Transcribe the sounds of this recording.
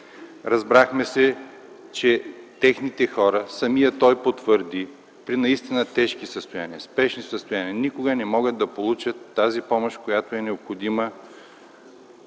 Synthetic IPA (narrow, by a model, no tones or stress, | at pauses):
ɾɐzbɾaxmɛsɛ | t͡ʃɛt̪ɛxnit̪ɛxɔɾəsɐmijət̪ɔjpot̪vəɾd̪i | pɾinɐist̪inət̪ɛʃkisəst̪oja̰niəspɛʃnisəst̪ojaniɐnikoɡənɛmɔɡəd̪̚d̪ɐpolˠut͡ʃət̪ːazipɔmoʃkojat̪oɛnɛopxod̪imə